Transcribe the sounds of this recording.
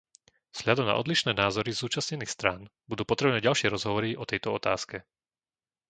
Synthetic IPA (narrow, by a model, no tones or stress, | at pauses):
vz̥ɦʎad̪ɔmna̰ɔd̪liʃnɛːnaːzɔɾizzuːt͡ʃasɲɛniːxst̪ɾaːnbud̪uːpɔt̪ɾɛbnɛːɟalʃɪɛɾɔzɦɔʋɔɾiʔɔt̪ɛjt̪ɔɔt̪a̰ːskɛ